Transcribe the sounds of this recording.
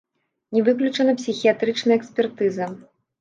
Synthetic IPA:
nʲɛvɨklʲut͡ʂɐnɐpsʲixʲijat̪ɾɨt͡ʂnɐjɛksʲpʲɛrt̪ɨzɐ

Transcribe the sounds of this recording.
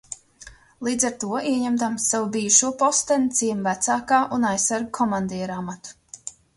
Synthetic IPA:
lˠiːd̪zaɾt̪uɔiɛɲɛmd̪amsːavubiːuʃuɔpɔst̪ɛnt̪siɛmvæt̪saːkaːʔunajsːaɾɡ̚kʰɔmand̪ɛjɛɾamat̪u̥

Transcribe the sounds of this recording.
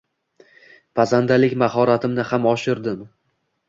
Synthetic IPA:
pʰazand̪alɪkʲmahɒɾat̪ʰɪmnɪhamɒʃɪɾd̪ɪm

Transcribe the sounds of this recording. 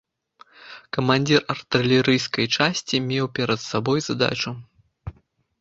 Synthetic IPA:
kɐmanʲd͡zʲirɐrt̪ɨlʲɛɾɨjskɐjt͡ʂasʲt͡sʲimʲɛwpʲɛɾɐt̪sabɔjzad̪a̰t͡ʂu

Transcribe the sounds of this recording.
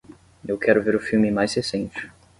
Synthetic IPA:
ewkʰɛɾʊveɾʊfiwmɪmajshesẽnt͡ʃɪ̥

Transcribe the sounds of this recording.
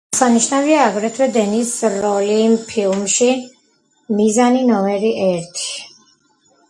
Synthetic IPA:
saniʃnaviaːɡɾɛt̪ʰwɛd̪ɛnisɾɔlimpʰilˠmʃi | mizaninɔmɛɾiʔɛɾt̪ʰi̥

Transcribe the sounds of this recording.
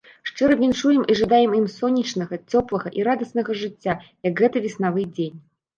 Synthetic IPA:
ʂt͡ʂɨɾɐvʲinʂujɛmiʐad̪ajɛmimsɔnʲːit͡ʂnɐɣɐt͡sʲɔplˠɐɣɐʔiɾad̪ɐsnɐɣɐʐɨt͡sʲːajɐɡɣɛt̪ɐvʲisn̪avɨd͡zʲenʲ

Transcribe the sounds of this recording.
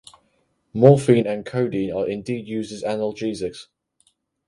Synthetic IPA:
mɔːˑfĩːnə̃nkʰəʊdĩːnəɹɪ̃ndiːdjʉːzɪzanəlˠd͡ʒiːzɪks

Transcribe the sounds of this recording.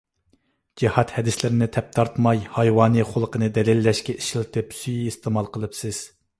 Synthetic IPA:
d͡ʒihɑt̪hɛd̪ɪslɪɾɪnɪt̪ʰɛp̚t̪ʰɑɾt̪mɑjhɑjwɑːnɨχolˠəqənɨd̪ɛlɪlːɛʃkʲɛʔiʃilt̪ʰɨpsyjiist̪ʰɪmɑlˠqəlˠɨpsɪz̥

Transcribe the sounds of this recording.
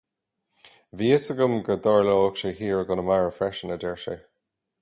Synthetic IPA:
viːəsəɡʊmɡəd̪ɔɹləokʃehiːɹəɡʊnəmaɹəfɹɛʃənəd̪ɛɹʃḛ

